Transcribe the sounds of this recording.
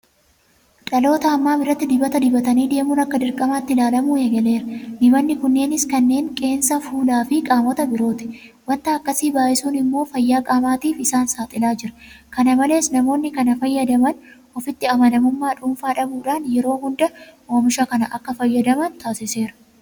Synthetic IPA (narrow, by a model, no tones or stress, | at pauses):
ᶑɐlo̞ːt̪ɐːmːaːbɪrɐt̪ːɪd̪ɪbɐt̪ɐd̪ɪbɐt̪ɐniːd̪e̞ːmʊnɐkːɐd̪ɪɾkʼɐmaːt̪ːɪlaːlɐmuːjɛɡɐle̞ːɾɐd̪ɪbɐnːɪkʊnːe̞ːnɪskɐnːe̞ːŋkʼe̞ːnsɐfuːlaːfɪkʼaːmɔt̪ɐbɪɾo̞ːt̪ɪ̥ | wɐnt̪ɐːkːɐsiːbaːʔɪsuːnɪmːo̞ːfɐjːaːkʼaːmaːt̪iːfɪsaːnsaːt̪ʼɪlaːd͡ʒɪɾɐ̥kɐnɐmɐle̞ːsnɐmo̞ːnːɪkɐnɐfɐjːɐd̪ɐmɐn | ɔfɪt̪ːɪɐmɐnɐmʊmːaːᶑʊmfaːᶑɐbuːᶑaːnjɛɾo̞ːɦʊnd̪ɐʔo̞ːmɪʃakɐnɐʔɐkːɐfɐjːɐd̪ɐmɐnt̪aːsɪse̞ːɾɐ̥